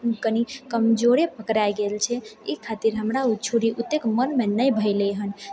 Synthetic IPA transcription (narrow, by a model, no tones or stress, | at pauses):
kənikəmd͡ʒoɽepəkɾajɡelt͡ʃʰɛikʰat̪iɾɦəmɾaut͡ʃʰuɾiʔut̪ːekmənmenəjbʱəɪleɦən